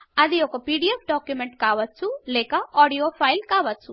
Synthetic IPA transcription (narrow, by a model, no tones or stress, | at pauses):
ɐd̪iokopiːɖiefɖɔːkjumẽɳʈkaːʋɐt̪̚t͡ʃʰuleːkaɔːɽijoːfʰajlkaːʋɐt̪̚t͡ʃʰu